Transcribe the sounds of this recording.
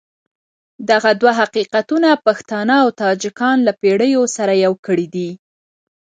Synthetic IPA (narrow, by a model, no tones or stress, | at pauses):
d̪aɣad̪waɦaqiqat̪unapaxt̪ɑnaːwt̪ɑd͡ʒɪkɑnlapeɽəjosaɾajawkəɽid̪i